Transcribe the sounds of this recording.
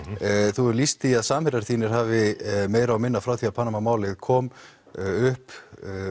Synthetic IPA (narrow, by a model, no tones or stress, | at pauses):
θuɾlist̪iaðsaːmhɪɾaɾ̥θiːnɪɾ̥haːvɪmeːjɾaawmɪnːafɾawθiaðpʰaːnamamaːwlɪðkʰɔːm | ʏhp